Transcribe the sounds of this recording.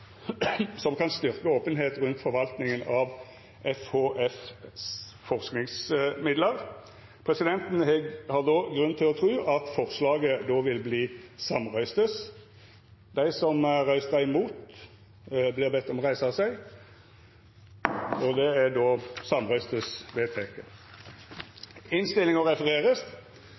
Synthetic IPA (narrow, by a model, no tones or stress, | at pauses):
sɔmkʰɑnst̪ʏʁkəoːpənɦeːt̪ʁʉnt̪fɔʁʋɑlt̪nɪŋənɑʋ | ɛfhoːʔɛfs | fɔʁsknɪŋsmɪd̪ləʁ | pʰʁɛsɪd̪ɛnt̪n̩hɛɡhɑʁd̪oːɡʁʉnt̪ʰɪlɔt̪ʰʁʉːʔɑt̪fɔʁslɑːɡəd̪oːʋɪlbliːsɑmʁœʏst̪əs | d̪æɪsɔmʁæɪsæɪmuːt̪ | blɪʁbɛt̪ːɔmʁæɪsɑsæɪ | ɔd̪ɛæd̪oːsɑmʁœʏst̪əsʋeːt̪ʰeːkə | ɪnst̪ɪlɪŋɔʁɛfəʁeːʁəst̪